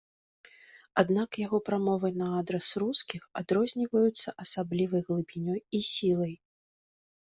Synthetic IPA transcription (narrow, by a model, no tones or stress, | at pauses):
ad̪nakjaɣɔpɾamɔvɨnɐad̪ɾɛsruskʲixad̪ɾɔzʲnʲivɐjut̪sːɐʔɐsablʲivɐjɣlˠɨbʲinʲɔjisʲilˠɐj